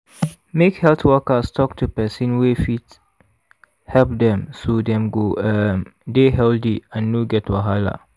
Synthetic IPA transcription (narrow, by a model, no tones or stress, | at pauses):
mekhɛltʰwɔkastʰɔk̚tʰupɛsĩnwefit | hɛlp̚dɛ̃msodɛ̃mɡoəmdeɦɛldiãnːoɡɛtʰwaɦala̰